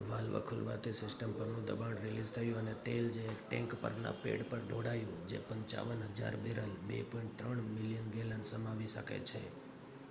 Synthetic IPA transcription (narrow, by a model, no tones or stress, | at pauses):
ʋalʋə̰kʰʊlʋa̰t̪esɪsʈəmpəɾnũd̪əbaɳɾelizt̪ʰəjũənet̪eld͡ʒeʈɛ̃ŋkpə̰ɾna̰pḛɽpəɾɖʱoɽajũd͡ʒḛpəɲt͡ʃa̰ʋənɦəd͡ʒa̰ɾbeɾəlbḛpɔiɳʈ̚t̪ɾəɳmɪlijənɡelənsəmaʋiʃə̰kḛt͡ʃʰḛ